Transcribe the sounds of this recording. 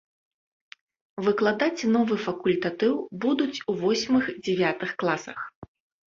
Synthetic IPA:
vɨklˠad̪at͡sʲnɔvɨfɐkulʲt̪at̪ɨwbud̪ut͡sʲuvɔsʲmɨxd͡zʲɛvʲat̪ɨxklˠasɐx

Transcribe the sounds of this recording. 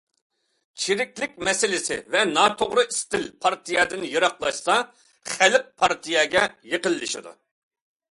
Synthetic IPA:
t͡ʃʰiɾɪkʲlɪkʲmɛsɪlɪsɪ̰vɛnɑːt̪ʰoʁɾɨist̪ɪlpʰɑɾt̪ʰijɛd̪ɨnjɨɾɑqlˠɑʃsɑ | χælɪq̚pʰɑɾt̪ʰijɛɡʲɛjeqəlˠːɨʃɪ̰d̪ṵ

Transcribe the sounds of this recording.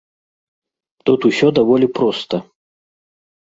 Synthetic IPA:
t̪ut̪usʲɔd̪avɔlʲipɾɔst̪ɐ

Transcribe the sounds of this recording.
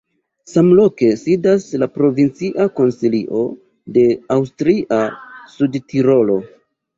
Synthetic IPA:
samlo̞ke̞sidaslapɾo̞vint͡siʔako̞nsiliʔo̞ | de̞awstɾiʔasudtʰiɾo̞lo̞

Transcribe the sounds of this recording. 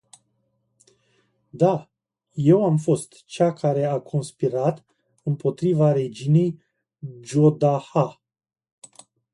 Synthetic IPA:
d̪a | je̞wamfo̞st̪t͡ʃakaɾe̞akʰo̞nspiɾat̪ | ɨmpo̞t̪ɾivaɾe̞d͡ʒine̞j | d͡ʒo̞d̪aha

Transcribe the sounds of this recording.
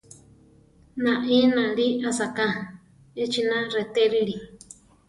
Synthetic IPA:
nãʔĩnãɺiʔasakã | et͡ʃinãret̪eɾiɺi

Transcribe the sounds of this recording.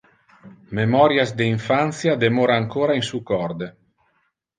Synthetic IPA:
memɔɾjazd̪eiɱfant̪sjad̪emoːɾaːŋkoːɾainsukɔrd̪e

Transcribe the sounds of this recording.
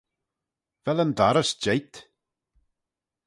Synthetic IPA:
vɛlənd̪aɾəsd͡ʒejt̪

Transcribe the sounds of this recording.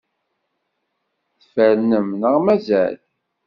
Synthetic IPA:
θfəɾnəmnəʁmæzæ̰l

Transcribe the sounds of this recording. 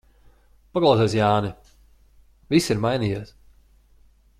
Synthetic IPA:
paklˠaɑwseɛsjaːni | visiɾmajnijiɛs

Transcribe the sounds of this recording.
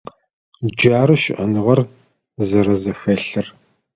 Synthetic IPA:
d͡ʒaːɾɨʃɪ̰ʔɐnɨʁɐr | zɐɾɐzɐxɐɬɨr

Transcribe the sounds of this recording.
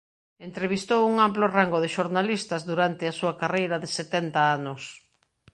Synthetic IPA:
ent̪ɾeβ̞ist̪owuŋamplʊraŋɡʊðɪʃoɾnalist̪ɐzðuɾant̪ɪasuɐakarejɾɐðɪset̪ɛnt̪aanʊs

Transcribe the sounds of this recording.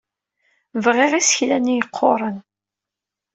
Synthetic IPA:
vʁeʁisə̥çlænijəqʰːo̰ɾˤən

